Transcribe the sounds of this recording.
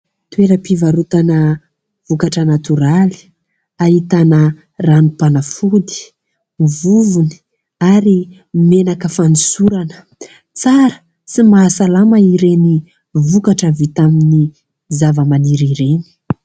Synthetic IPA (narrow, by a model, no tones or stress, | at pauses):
t̪weɾəpivaɾut̪anə | v̥ukaʈ͡ʂənat̪uɾali̥ | aɦit̪anə | ranupanəfud̪i̥ | vuvuni̥ | aɾi | menakəfanisuɾanə̥ | t͡saɾə̥ | simaːsalaməiɾeni | vukaʈ͡ʂəvit̪amini | zavəmaniɾiɾeni̥